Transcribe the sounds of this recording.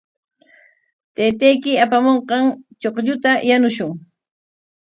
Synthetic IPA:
t̪ejt̪ejkɪapamoɴqɑŋt͡ʃoqʎʊt̪ajanʊʃʊŋ

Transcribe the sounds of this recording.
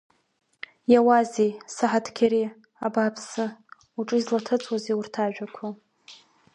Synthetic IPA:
jawazisaħatʰkʲʰaɾi | abapʰsɨ | uʈ͡ʂʼɨizlatʰɨt͡sʼʰwazeiurtʰaʒᶣakʷʰa

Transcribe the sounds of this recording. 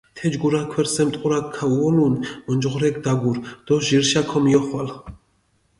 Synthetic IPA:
t̪ʰɛd͡ʒɡuɾakʰwɛɾsɛmt̪ʼqʼuɾakʰːauɔlunmɔnd͡ʒʁɾɛk̚d̪aɡuɾd̪̥ɔʒiɾʃakʰɔmiɔχwal

